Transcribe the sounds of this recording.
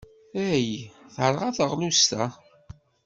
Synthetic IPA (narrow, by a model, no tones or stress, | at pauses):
æjθɾˤʁaθəʁlust̪a